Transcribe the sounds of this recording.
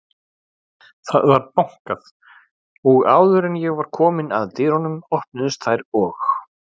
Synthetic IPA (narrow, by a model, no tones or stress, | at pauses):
θa̰ðvaɾpawŋ̥kað | ɔɣaːwðʏɾɛnjɛɣvaɾ̥kʰɔːmɪna̰ðt̪ɪɾ̥hɔnʏmɔhpnʏðʏst̪θajɾɔx